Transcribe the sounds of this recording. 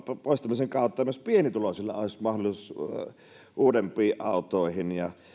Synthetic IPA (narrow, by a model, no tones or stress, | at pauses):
poˑeisʲt̪æmːˑiseŋkɑˑot̪ˑːɑːˑmøspienit̪ulosilːɑ̰oˑesʲmɑhdolˑisus | ʔuːdempˑiːʔʔɑ̰ˑut̪ˑoˑihinjɑ